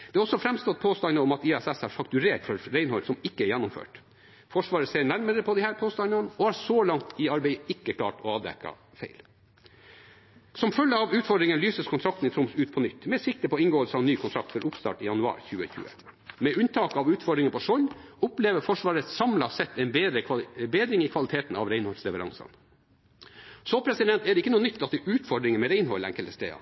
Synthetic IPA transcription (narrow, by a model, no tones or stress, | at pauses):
d̪̥ɛːɔsːɔfɾɛmst̪ɔt̪̚pʰoːst̪ɑnnəɔmɑt̪iɛsɛsæɾfɑk̚t̪ʉɾeːʈfɔɾɾæɪnhɔʏlsɔmɪkːəɛjænːʊmfø̰ːʈ | fɔʂʋɑːɾəseːɳæɾməɾəpʰɔd̪ɪhæːɾpʰoːst̪ɑnnənɔhɑːɾsoːlɑŋt̪iɑɾbeɪɪkːəkʰlɑ̰ːʈɔɑːd̪ɛ̰kɑ̰ | feɪl | sɔmfœlːəɑʋʉːt̪fɔɖɾɪŋənlyːsəskʰʊnt̪ʰɾɑk̚t̪n̩ɪt̪ʰɾʊmsʉːt̪̚pʰɔnʏt̪ːmɛsɪk̚t̪əpʰɔɪŋɡoːəlsəɑʋnyːkʰʊnt̪ʰɾɑ̰k̚t̪fɔɾʔʊpst̪ɑ̰ːʈɪjɑnʉɑ̰ːɾçʉːə̰çʉ̰ːə̰mɛʉnt̪ʰɑːkɑʋʉːt̪fɔɖɾɪŋənpʰɔʂɔlʊpleːʋəfɔʂʋɑːɾət̪sɑmlɑsɛt̪ːɛɪnbed̪ɾəbeːd̪ɾɪŋikʰʋɑlɪt̪ʰeːt̪n̩ɑ̰ʋɾæɪnhɔlslɛʋəɾɑ̰ŋsɑ̰n | soːpʰɾɛsɪd̪ɛnt̪ɛɖ̪ɛɪkːənuːənʏt̪ʰːɑt̪ːɛʔʉːt̪fɔɖɾɪŋənmɛɾæɪnhɔlːæ̰ŋkələst̪ḛːɑ̰